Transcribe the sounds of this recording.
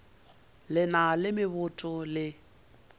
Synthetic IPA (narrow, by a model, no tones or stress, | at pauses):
lɪnalɪmɪβʊtʼʊlɪ